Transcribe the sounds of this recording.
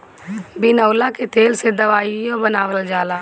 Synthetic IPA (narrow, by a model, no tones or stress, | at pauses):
bɪnəːlaket̪ʰeːlsed̪ɐʋaːiõbɐnaːʋəld͡ʒaːlaː